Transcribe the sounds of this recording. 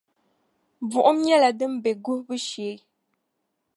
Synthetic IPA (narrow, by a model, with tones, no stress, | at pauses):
b͡vu˨ʔʊ˦m˦ɲɛ˦la˨dɨ˦m̩˦bɛ˨ɡu˦bɨ˦ʃeː˨˦